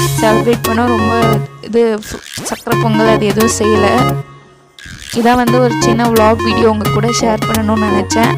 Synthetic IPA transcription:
sɛlʋeːʈ̚pɐɳːʊ̃ɾɔmbɐɪðɯsɐkːɾɐpɔŋɡɐɭɐðɯɛðɐʋʊ̃sɛjːɐlɐ | ɪðãːʋɐnd̪ɯɔɾɯt͡ʃɪnːɐbɭaːɡʋiːɽɪjoːʊŋɡɐkːuːɽɐʃeːɾt̪ɐnɐnʊ̃nɐnɛt͡ʃːɛ̃ː

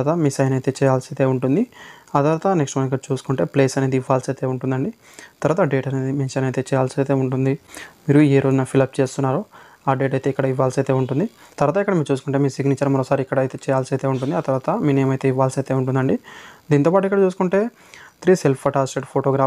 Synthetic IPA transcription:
t̪ɐmiːsɐjnɐjt̪e̞ːt͡ʃɛːjaːlsɐjt̪eːuɳʈund̪iaːt̪ɐɾʋaːt̪ɐneksʈmaːnik̬ːɐɽt͡ʃuːsu̥kuɳʈeːpleːsɐne̞ːd̪iiʋːaːlsɐjt̪e̞ːuɳʈund̪ɐɳɖi | t̪ɐɾʋaːt̪aɖeːʈɐneːd̪imenʃɐnɐjt̪e̞ːt͡ʃɛːjaːlsɐjt̪eːuɳʈund̪imiːɾueːɾo̞ːd͡ʒunɐpʰilɐp̚t͡ʃe̞ːst̪unːaːɾu | aːɖe̞ːʈɐjt̪e̞ːikːɐɽɐiʋːaːlsɐjt̪e̞ːuɳʈund̪it̪ɐɾʋaːt̪aikːɐɽɐmiːɾut͡ʃuːsu̥kuɳʈeːmiːsiɡniːt͡ʃɐɾmɐɾoːsaːɾiikːɐɽɐjt̪e̞ːt͡ʃɛːjaːlsɐjt̪e̞ːuɳʈ̬und̪iaːt̪ɐɾʋaːt̪ɐmiːniɐmɐjt̪e̞ːiʋːaːlsɐjt̪e̞ːuɳʈund̪ɐɳɖid̪iːnt̪opaːʈuikːɐɽɐt͡ʃuːsu̥kuɳʈe̞ː | t̪ɾiːselpʰɐʈaːsʈeɖpʰoːʈoɡɾaː

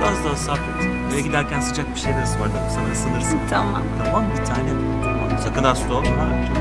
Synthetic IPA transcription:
ɾazd̪aɦasaket̪ | øjɟid̪æɾcʰænsɯ̥t͡ʃʰak̚biʃejlʲeɾisivaɾd̪ɯɾsanasɯnɯɾsɯnt̪ʰama̰mt̪ʰamambit̪ʰaːnɛb | t̪ʰama̰msakɯnd̪asd̪omaɾ

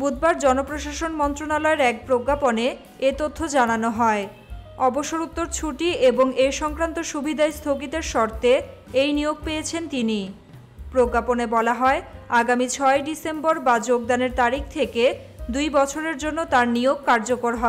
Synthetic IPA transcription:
bud̪baɾd͡ʑɔnopɾoʃaʃonmɔnt̪ɾonalɔeɾɛk̚pɾoɡːapone | et̪ot̪ʰːod͡ʑananoɦɔe | ɔboʃːoɾut̪ːoɾt͡ɕʰuʈieboŋeʃɔŋkɾant̪oʃubʱid̪aest̪ʰoɡit̪eɾʃɔɾt̪eejnijoɡ̚pejet͡ɕʰent̪ini | pɾoɡːaponebɔlaɦɔeaɡamit͡ɕʰɔeɖisemboɾbad͡ʑoɡ̚d̪aneɾt̪aɾik̚ʰt̪ʰeked̪ujbɔt͡ɕʰoɾeɾd͡ʑonːot̪aɾnioɡ̚kaɾd͡ʑokoɾɦɔe

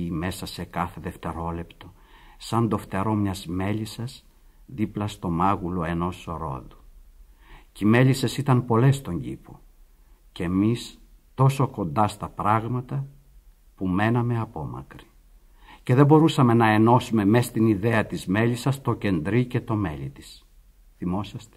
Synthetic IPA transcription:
ime̞sɐse̞kɐθe̞ðe̞ft̪e̞ɾo̞le̞pt̪o̞ | sɐnd̪o̞ft̪eɾo̞mɲɐzme̞ʎisɐs | ðiplɐst̪o̞mɐɣulo̞e̞no̞soɾo̞̰ðu | cime̞ʎise̞sit̪ɐmpo̞le̞st̪o̞ɲɟipo̰ | ce̞mis | t̪o̞so̞ko̞nd̪ɐst̪ɐpɾɐɣmɐt̪ɐ | pume̞nɐme̞ɐpo̞mɐ̰kɾi̥ | ce̞ðe̞bo̞ɾusɐme̞nɐe̞no̞sume̞mest̪iniðeɐt̪izme̞lisɐst̪oce̞nd̪ɾice̞t̪o̞me̞̰lit̪i̥s | θimo̞sɐst̪e̥

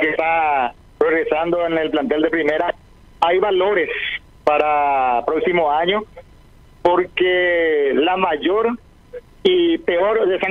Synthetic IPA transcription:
kest̪a | pɾoɣɾe̞sand̪o̞ene̞lplant̪e̞ld̪epɾime̞ɾa | ajβalo̞ɾe̞s | paɾapɾoksimo̞aɲo̞ | po̞ɾkelamaʝo̞ɾ | ipe̞o̞ɾðese

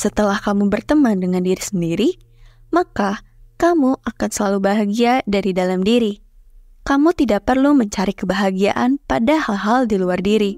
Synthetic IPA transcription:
sət̪əlahkamubərt̪əmandəŋandiɾisəndiɾi | maka | kamuʔakansəlalubaɦaɡiadaɾidalamdiɾi | kamut̪idaʔ̚pərluməɲt͡ʃaɾikəbaɦaɡia̰ʔanpadahalɦaldiluardiɾi

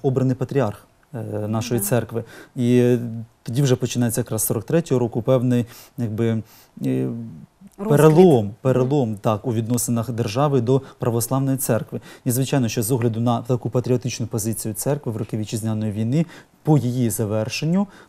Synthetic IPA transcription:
ɔbɾɐnɪpɐt̪ʲɾʲiɑrx | nɑʃɔjit̪sɛrkʋɪit̪ɔdʲiwʒɛpɔt͡ʃɪnɛjet͡sʲːɐjɐkɾɑsːɔɾɔk̚t̪ɾɛtʲɔɦɔɾɔkʊpɛwnɪjjɐɡ̚bɪ | peɾelˠɔmpeɾelˠɔmt̪ɑkuʋʲid̪nɔsɪnɐxd̪erʒɑʋɪd̪ɔpɾʔɐʋɔslˠɑʋnɔjit̪sɛrkʋɪnizʋɪt͡ʃɑjnɔʃt͡ʃɔzɔɦlʲɐd̪ʊnɐt̪ɐkupɐt̪ɾʲiɔt̪ɪt͡ʃnʊpɔzɪt͡sʲijʊt̪sɛrkʋɪʋrɔkɪʋʲit͡ʃizʲnʲanɔjiʋʲijnɪ | pɔjijizɐʋɛrʃenʲːʊ

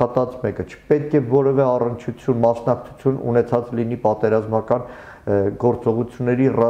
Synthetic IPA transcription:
ɑt̪ɑt͡smɛkət͡ʃʰə̥pɛt̪̚kʰɛvɔɾɛvɛɑrənt͡ʃʰut͡sʰjunmɑsnɑk̚t͡sʰu̥t͡sʰjunṵnɛt͡sʰɑt͡slinipɑt̪ɛɾɑzmɑkɑn | ɡɔɾt͡sɔʁut͡sʰjunːɛɾirɑ

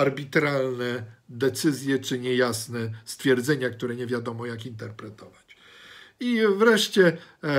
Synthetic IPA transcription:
aɾbʲit̪ɾalnɛd̪ɛt̪sɘzʲjɛt͡ʂɘɲɛjasnɛst̪fʲjɛɾd̪zɛɲakt̪uɾɛɲɛvʲjad̪ɔmɔjakint̪ɛɾpɾɛt̪ɔvat͡ɕ | ivɾɛʂt͡ɕɛ

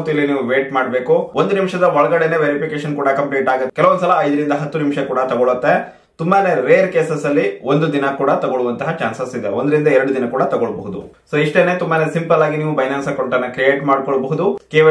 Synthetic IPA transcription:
t̪uilːiniːʋuʋeːʈmaːɽbe̞ːkuond̪unimʂɐd̪ɐʋɔɭɐɡɐɽeneʋeɾipʰikeːʃɐnkuːɽɐkɐmpliːʈaːɡut̪ːkɛlɐʋond̪usɐlɐɐjd̪ɐɾind̪ɐɦɐt̪ːunimʃɐkuːɽɐt̪ɐɡɔɭut̪ːe̞ | t̪umbane̞ɾeːɾkeːsɐsɐlːiond̪ud̪inɐkuːɽɐt̪ɐɡoɭuʋɐnt̪ɐɦɐt͡ʃaːnsɐsid̪ḛond̪ɐɾind̪ɐɛɾɐɽud̪inɐkuːɽɐt̪ɐɡoɭboɦud̪ṵsoːiʂʈeneːt̪umbaːne̞simpɐlaːɡiniːʋubɐjnaːnsɐkoɳʈɐnːɐkɾijeːʈmaːɽkoɭboɦud̪ukeːʋ

